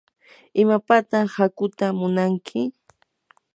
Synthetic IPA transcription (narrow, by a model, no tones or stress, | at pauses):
ɪmapat̪aχhakʊt̪amʊnaŋkʰɪ